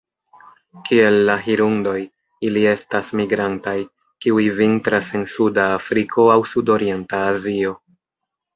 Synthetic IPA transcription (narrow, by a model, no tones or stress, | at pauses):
kie̞lːaɦiɾundo̞j | ilie̞stasmiɡɾantaj | kiujvintɾase̞nsudaːfɾikʰo̞awsudo̞ɾije̞ntaːzio̞